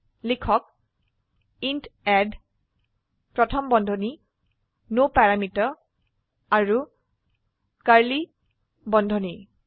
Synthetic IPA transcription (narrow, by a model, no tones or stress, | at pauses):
likʰɔk̚ | intɛd | pɹɔtʰɔmbɔndʱɔni | nopaɹamitɔ | aɹu | kaɹli | bɔndʱɔni